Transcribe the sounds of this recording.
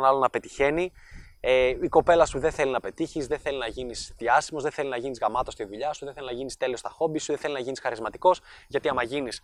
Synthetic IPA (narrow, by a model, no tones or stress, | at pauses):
nɐlonɐpe̞t̪içe̞ni | eiko̞pe̞lɐsuðeθelinɐpe̞t̪içizðeθe̞linɐʝinisðiɐsimo̞zðeθe̞linɐʝinizɣɐmɐt̪o̞st̪iðuʎɐsuðeθe̞linɐʝinist̪e̞liost̪ɐxo̞bisuðeθe̞linɐʝinisxɐɾizmɐt̪i̥ko̞sʝɐt̪iɐmɐʝinis